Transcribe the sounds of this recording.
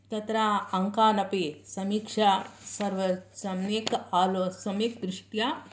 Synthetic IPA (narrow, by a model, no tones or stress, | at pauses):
t̪ɐt̪ɾaːɐŋkaːnɐpisɐmiːkʂasɐɾʋɐsɐmeːkaːlosɐmikd̪ɾɪʂʈja